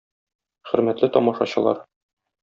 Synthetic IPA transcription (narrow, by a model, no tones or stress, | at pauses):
χɵ̆ɾmæt̪lɘt̪ɒmɑʃɑɕɤ̆lˠɑ̰ɾ